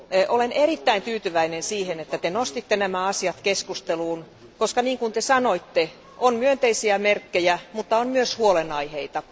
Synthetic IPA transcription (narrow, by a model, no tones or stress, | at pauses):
ʔolenerit̪ːæint̪yːt̪yʋæinensiːhenet̪ːæt̪enost̪it̪ːenæmæɑsiɑt̪keskust̪eluːn | koskɑniːŋkunt̪esɑnoit̪ːe | ʔonmyønt̪eisiæmerkːejæmut̪ːɑonmyøshuolenɑiheit̪ɑ